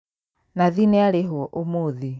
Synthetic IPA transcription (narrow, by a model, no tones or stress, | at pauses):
naðinɛaɾeɦwɔʔomoði